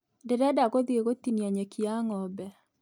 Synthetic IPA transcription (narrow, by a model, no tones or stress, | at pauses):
ndeɾɛdaɣoðieɣotinjaɲɛkʰiaŋɔbɛ